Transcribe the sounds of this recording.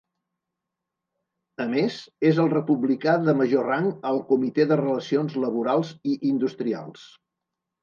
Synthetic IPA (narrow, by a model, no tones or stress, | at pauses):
əmezezəlˠrəpuβlikaðəməʒoraŋəlˠkumit̪eðərələsionzləβuɾalˠziʔind̪ust̪ɾia̰lˠs